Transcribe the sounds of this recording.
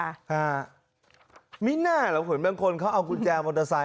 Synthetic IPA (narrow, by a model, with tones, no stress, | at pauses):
aː˧˩ | miː˦˥naː˥˩la˨˩˦pʰɯ˨˩˦nbaː˧ŋkʰo˧nkʰa˦˥wʔa˧wku˧nt͡ɕɛː˧moː˧t̪a˧sa˧˦